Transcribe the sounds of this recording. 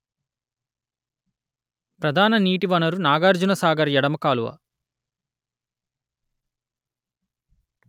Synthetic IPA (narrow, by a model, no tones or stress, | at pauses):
pɾɐd̪ʱaːnɐniːʈiʋɐnɐɾunaːɡaːɾd͡ʒunɐsaːɡɐɾjɛɽɐmɐkaːluʋɐ̰